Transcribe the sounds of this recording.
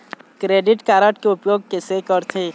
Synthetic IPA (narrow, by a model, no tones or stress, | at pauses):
kɾeːɖɪʈkaːɾəʈkeʊpjoːɡ̚kesekəɾt̪ʰẽ